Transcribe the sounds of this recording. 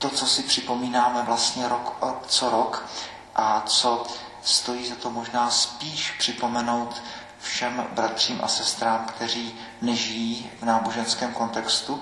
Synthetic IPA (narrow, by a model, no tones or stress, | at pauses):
t̪ot͡so̞sɪpr̝̥ɪpo̞miːnaːmɛvlast̪ɲɛɾokot͡soɾok | ʔat͡so̞ | st̪o̞jiːzat̪o̞mo̞ʒnaːspiːʃpr̥ɪpo̞mɛno̞wt̪ | fʃɛmbɾat̪r̝̥iːmʔa̰sɛst̪ɾaːmkt̪ɛr̝iː | nɛʒɪjiːvnaːboʒɛnskɛːmko̞nt̪ɛkst̪u